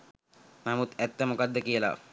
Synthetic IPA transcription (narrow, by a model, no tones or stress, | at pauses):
namut̪æt̪ːəmokad̪ːəkijəla̰